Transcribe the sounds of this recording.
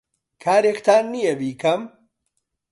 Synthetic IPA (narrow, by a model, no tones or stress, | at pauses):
kʰaːɾekt̪ʰaːnːijɐbiːkʰɐm